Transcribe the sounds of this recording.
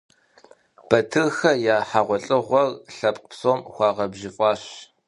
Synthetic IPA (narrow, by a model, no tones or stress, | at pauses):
b̥ɐtʰɨrxɐjaːħaʁʷɔɬʼɨʁʷɔrɬɐpʼqpsoːmxʷɑːʁɐbʒɪfʼɑːɕ